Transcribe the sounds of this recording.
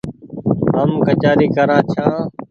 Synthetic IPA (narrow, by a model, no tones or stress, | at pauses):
ɦəmkət͡ʃaːɾiːkəɾãːt͡ʃʰãː